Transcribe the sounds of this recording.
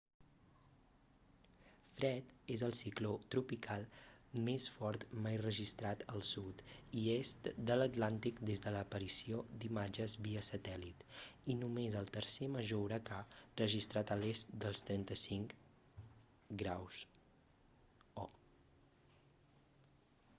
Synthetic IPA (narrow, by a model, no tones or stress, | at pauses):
fɾɛt̪ezəlˠsiklot̪ɾupikʰalˠmesfɔɾt̪majrəʒist̪ɾat̪əlˠsut̪iest̪d̪ələt̪lant̪ikd̪ezðələːpəɾisiod̪imad͡ʒəzβiəsət̪ɛlit̪inumezəlˠt̪əɾseməʒowɾəkarəʒist̪ɾat̪əlest̪d̪əlˠst̪ɾɛnt̪əsiŋk | ɡɾaws | ɔ